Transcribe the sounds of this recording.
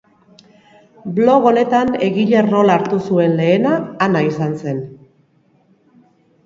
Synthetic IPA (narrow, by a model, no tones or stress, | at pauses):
blo̞ɣ̞o̞ne̞t̪ane̞ɣiʎe̞ro̞laɾt̪usue̞nle̞ːnaːnaisanse̞n